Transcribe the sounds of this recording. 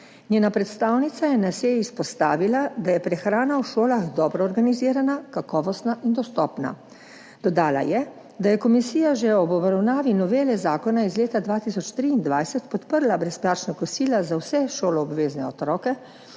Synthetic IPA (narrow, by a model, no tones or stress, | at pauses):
nʲeːnapɾɛt̪st̪aːwnit̪sajɛnasejispɔst̪aːʋilad̪ajɛpɾɛxɾaːnawʃoːlaɣd̪ɔːbɾɔːɾɡaniziːɾanakakɔːʋɔst̪naʔind̪ɔst̪ɔːpna̰ | d̪̥ɔd̪aːla̰jɛ | d̪ajɛkɔmisiːjaʒɛɔbɔbɾawnaːʋinɔʋeːlɛzaːkɔnaizleːt̪ad̪ʋaːt̪isɔt͡ʃt̪ɾiːnd̪ʋajsɛt̪pɔt̪pəɾlabɾɛsplaːt͡ʃnakɔsiːlazawsɛʃoːlɔːbʋeːznɛɔt̪ɾɔːkɛ